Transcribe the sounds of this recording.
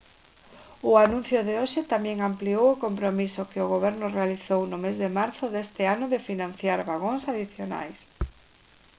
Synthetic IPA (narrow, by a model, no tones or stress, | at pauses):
ʊanũn̟θjʊðɪoʃɪt̪amɛ̃ŋampliowʊkompɾomisʊkɪʊɣoβ̞ɛɾnʊrealiθownʊmezðɪmaɾθʊðest̪ɪanʊðɪfinãn̟θjaɾβaɣ̞oŋsaðiθjona̰js